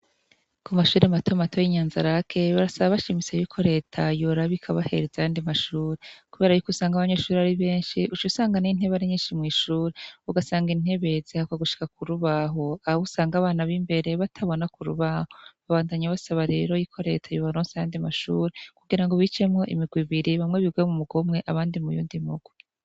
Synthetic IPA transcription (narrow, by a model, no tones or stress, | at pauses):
kumaʃuːɾematʰomatʰojiɲaːnzaɾakʰe̞βaɾasaβaβaʃimit͡sejuːkʰo̞ɾe̞ːtʰajoɾaβikʰaβahe̞̰ɾezajaːndimaʃuːɾe̞kuβe̞ːɾajukusaːŋɡaβaɲe̞ːʃuːɾeaɾiβe̞ːnʃiʔut͡ʃusaːŋɡanin̥heβaɾeɲeːʃimŋiːʃuːɾeuɡasaːŋɡin̥e̞βe̞zihakaɡuʃi̥kak̚uɾuβaɦo̞ahaβusaːŋɡaːβaːnaβimbe̞ɾe̞βatʰaβo̞nakuɾṵβahoβaβaːndaɲaβasaβaɾe̞ɾo̞jikʰo̞ɾe̞ːtʰajoβaɾoːnsajaːndimaʃṵːɾe̞kuɡiɾaŋɡo̞βit͡ʃe̞mŋo̞ʔḭmiɡwiβiɾiβamŋe̞βiɡwemumuɡomŋe̞ʔaβaːndimujṵːndimuɡwi